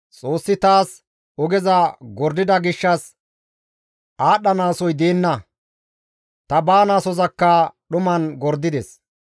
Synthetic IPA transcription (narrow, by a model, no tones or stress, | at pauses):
t͡sʼo̞ːsːɪt̪aːs | ɔɡɛzɐɡɔɾd̪ɪd̪ɐɡɪʃːɐs | aːɗːɐnaːsɔjd̪eːnːɐ | t̪ɐbaːnaːsɔzɐkːɐɗʊmɐnɡɔɾd̪ɪd̪ɛs